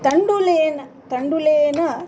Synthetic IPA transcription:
t̪ɐɳɖuleːnɐ | t̪ɐɳɖuleːnɐ

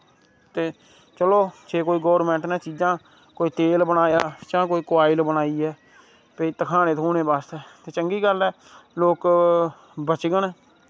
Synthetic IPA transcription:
t̪eː | t͡ʃəloːt͡ʃeːkoːiːɡoːɾmɛ̃ːɳʈnɛ̃ːt͡ʃiːd͡ʒãː | koːiːt̪eːlbənaːjaːt͡ʃãːk̬oːiːkʋaːɪlbənaːiːɦɛː | pəiːt̪əkʰaːneːt̪ʰuːneːbaːst̪ɛːt̪eːt͡ʃəŋɡiːɡəlɛː | loːk | bət͡ʃɡənɛː

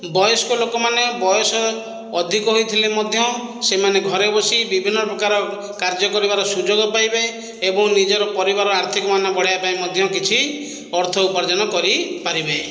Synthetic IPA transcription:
bɔjɔskolokɔmanebɔjɔsɔː | d̪ʱikɔɦojt̪ʰilemɔd̪ʱjɔsemaneɡʱɔɾebɔsibibʱinːɔpɾɔkaɾɔ | kaɾd͡ʒɔkɔɾibaɾɔsud͡ʒoɡɔpajbe | ebɔŋnid͡ʒɔɾɔpɔɾibaɾɔaɾt̪ʰikɔmanɔbɔɽajapaemɔd̪ʱjɔ̃kit͡ʃʰi | ɔɾt̪ʰɔupɔɾd͡ʒanɔkɔɾipaɾibe

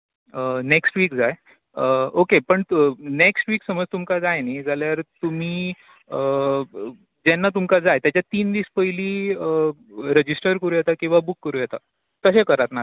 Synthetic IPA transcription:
əneksʈʋiːkd͡zaj | əokepəɳneksʈʋiːksəməd͡zt̪umkad͡zajnajd͡zaljaɾt̪um̤iː | ə | d͡ʑɛnːat̪̬umkad͡zajt̪jat͡ɕjat̪iːnʋiːspəiliːəɾəd͡ʑisʈəɾkəɾuːjet̪akĩw̃ʋabukːəɾuːjɛt̪a | t̪əɕẽkəɾat̪na

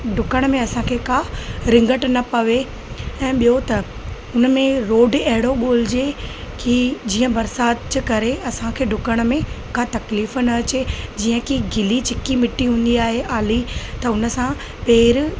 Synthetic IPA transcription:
ɖʱʊkəɽ̃mẽɐsãkʰeːkaɾɪ̃ŋɡəʈnɐpɐʋe | ɛ̃ːɓijot̪ɐ | ʊnə̆mẽɾoːɖɐɦɪɽ̃oɠoːl̤ɪd͡ʑe | kid͡ʑiːə̃bɐɾsaːt̪d͡ʑkɐɾeɐsãkʰeːɖʱʊkəɽ̃mẽ | kat̪ɐkliːfnɐɐt͡ɕed͡ʑiːə̃kiɡɪlit͡ɕʰɪkimɪʈːiɦũːn̆d̪iaːɦeʔaːlit̪ɐʊnə̆sã | peːɾ

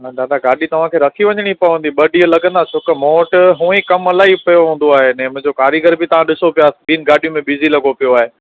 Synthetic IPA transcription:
d̪aːd̪aɡaːɗit̪ɐʋ̤ãkʰeːɾɐkʰiʋɐ̃ɲəɽ̃ipɐʋə̃nd̪iɓɐɖiːlɐɡə̃nd̪at͡ɕʰʊkmoːʈɦũːĩkɐmɐlaːipɐjoɦũːn̆d̪oaːɦenɛ̃ːmʊ̃ɦɪ̃ɲd͡ʑokaːɾiɡəɾbʱɪt̪ɐʋ̤ãɗɪsopijaːsbiːnɪɡaːɖijũmẽɓizilɐɡopijoaːɦeː

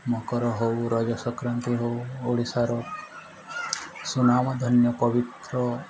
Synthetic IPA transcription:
mɔkɔɾɔɦowɾɔd͡ʒɔsɔkɾənt̪iɦouoɽisaɾɔ | sunamɔd̪ʱɔnjɔpɔʋit̪ɾɔ

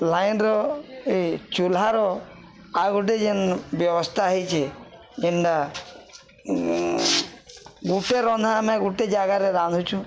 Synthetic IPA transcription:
lajnɾɔet͡ʃulaɾɔ | aɡuʈ̬ed͡ʒenbjɔbɔst̪ʰaɦejt͡ʃʰe | enɖa | ɡuʈeɾɔnd̪ʱamɛ̃ɡuʈed͡ʒaɡaɾeɾand̪ʱut͡ʃʰu

